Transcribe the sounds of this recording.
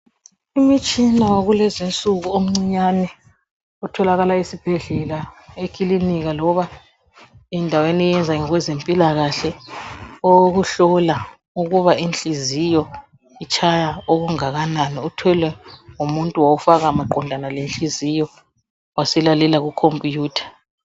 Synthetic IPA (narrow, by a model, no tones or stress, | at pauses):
imit͡ʃʼinawaɣulɛzent͡sʼuɣuom̩ŋ͡ǀiɲanɛ | utʰɔlaɣalaisib̥ʱɛɮɛlaekʰiliniɣalɔβa | ɛndʱawenijɛnd͡zʱaŋiɣwɛzempʼilaɣaɬɛ | oɣuɬɔla | uɣuβaʔint͡ɬʼizijɔ | it͡ʃʰʼajaoɣuŋaɣananiutʰwɛlwɛŋumuntʼuwawufaɣamaǃɔndʱanalent͡ɬʼizijɔ | wasɛlalɛlaɣukʰompʼijuːtʰḁ